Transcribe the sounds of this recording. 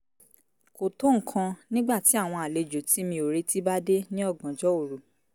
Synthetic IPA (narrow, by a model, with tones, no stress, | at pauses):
ko˨to˦ŋ̩˨kʰã˧nĩ˦ɡ͡ba˦˨ti˨˦a˦˨w̃ɔ̃˧a˨le˨˧d͡ʒo˨ti˨˦mĩ˧o˨ɾe˦ti˦ba˦de˦nĩ˦ɔ˦˨ɡã˨d͡ʒɔ˨˦o˦˨ɾu˨